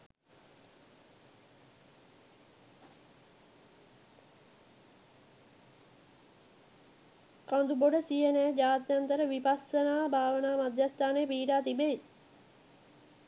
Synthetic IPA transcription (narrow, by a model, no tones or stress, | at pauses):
kand̪uboɖəsijənæːd͡ʒaːt̪jant̪əɾəʋipasənaːbʱaːʋənaːmad̪jast̪ʰaːnejəpiːʈaːt̪ibei